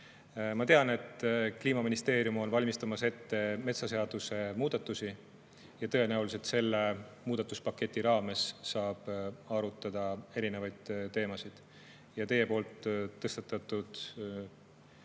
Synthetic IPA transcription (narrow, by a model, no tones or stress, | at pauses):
mɑt̪e̞ɑne̞t̪ːkliːmɑminist̪e̞ːɾijumo̞nvɑlʲmist̪ɑmɑse̞t̪ːe̞me̞t̪sɑse̞ɑd̪̥use̞muːd̪̥ɑt̪ːˑusi | jɑt̪ɤ̞enæulis̬e̞lt̪se̞lːe̞muːd̪ɑt̪ːˑuspɑkːˑe̞t̪ʲːˑiɾɑːme̞sːɑːb̥ɑɾut̪ːˑɑd̪̥ɑe̞ɾine̞vɑjd̪̥t̪ːe̞ːmɑsid̪̥ | jɑt̪e̞je̞po̞ːlt̪ːɤ̞st̪ɑt̪ːˑɑt̪ːˑud̪̥